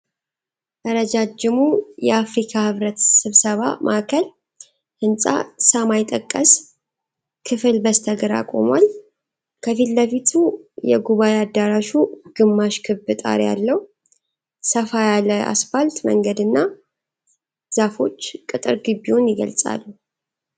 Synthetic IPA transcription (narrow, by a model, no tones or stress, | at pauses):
t̪ʼəɾəd͡ʒad͡ʒɪmujɛafɾikʰahɨβɾət̪sɨβsəβa̰mʔaʔkʰəl | hɨnsʼa̰samajt̪ʼəkʼːəs | kʰɨfɨlbəst̪ʰəɡɨɾa̰kʼo̞̰mwal | kʰəfilləfit̪ʰujɛ̰ɡuβajead̪aɾaʃuɡ̥ɨmːaʃkʰɨbɨt̪ʼa̰ɾja̰lːəh | səfajalaa̰sfalt̪mə̰ŋɡəd̪ɨnːa | z̥afo̞t͡ʃːkʼɨt̪ʼɨɾɡɨbːiwunjɪɡə̰lsʼa̰lːu